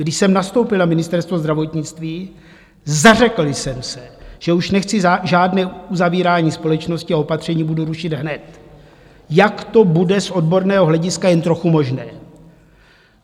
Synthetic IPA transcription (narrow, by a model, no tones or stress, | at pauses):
ɡdɪʃsɛmnast̪o̞wpɪlnamɪnɪst̪ɛɾst̪vozd̪ɾavo̞t̪ɲɪt͡st̪viː | zarɛkl̩ɪsɛmsɛʒ̥ɛuʃnɛxt͡sɪʒaːdnɛːuzaviːɾaːɲiːspo̞lɛt͡ʃno̞scɪaopat̪r̝̥ɛɲiːbuduɾuʃɪd̪ɦnɛt̪ | jakt̪o̞budɛsʔo̞dbo̞ɾnɛːɦoɦlɛɟɪskajɛnt̪ɾo̞xumo̞ʒnɛː